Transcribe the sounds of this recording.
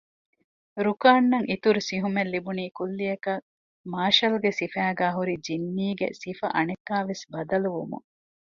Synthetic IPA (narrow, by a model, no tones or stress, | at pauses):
ɾukaːnːɐŋʔit̪uɾusiɦumelːibuniːkulːijɐkɐ | maːʃɐlɡesifæːɡæːɦuɾid͡ʒinːiːɡḛsifɐ̰ʔɐnekːaːʋesbɐd̪ɐluʋumṵŋ